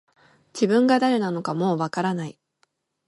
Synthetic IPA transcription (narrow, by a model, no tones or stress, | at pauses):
d͡ʑibɯ̟̃ŋɡad̪aɾenano̞kamo̞ːβakaɾanai